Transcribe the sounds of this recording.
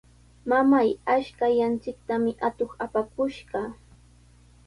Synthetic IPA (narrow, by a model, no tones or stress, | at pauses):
mamajaʃkajant͡sɪk̚t̪amɪʔat̪oχapakʊʃɢɑ